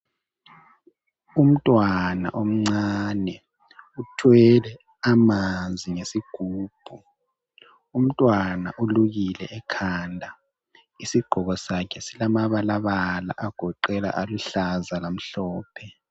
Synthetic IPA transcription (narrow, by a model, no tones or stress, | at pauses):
um̩tʼwana̰ʔom̩ŋ͡ǀanɛ | utʰwɛlɛ | amanzʱiŋesiɡ̥ʱuːb̥ʱu | um̩tʼwana̰ʔuluɣilɛ̰ʔɛkʰandʱa | isiɡ͡ǃʱɔɣɔsakʰɛsilamaβalaβala̰ʔaɡ̥ʱɔǃɛla̰ʔaluɬazalam̩ɬɔːpʰɛ